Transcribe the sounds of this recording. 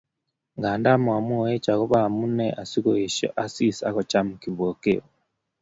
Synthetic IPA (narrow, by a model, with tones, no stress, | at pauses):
ŋɡaː˨nda˦mu˨a˨mo˦˨e˦t͡ʃa˨ɣo˦βa˦˨mu˦nɛ˦ʔa˨si˦kɔ˨e˨ʃɔ̰˦ʔa˨si˦sa̰˦kɔ˨t͡ʃa˦mu˨ki˨βo˨ke˦wɔ